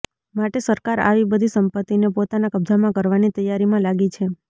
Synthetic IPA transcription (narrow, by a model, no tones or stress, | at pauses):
maʈesəɾkaɾa̰ʋibəd̪ʱisəmpət̪ːinepot̪anakəb̚d͡zʱamãkəɾʋanit̪əjaɾimãlaɡit͡ʃʰe